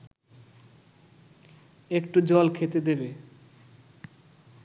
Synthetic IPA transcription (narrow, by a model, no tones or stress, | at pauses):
ekʈud͡ʑɔlkʰet̪ed̪ebe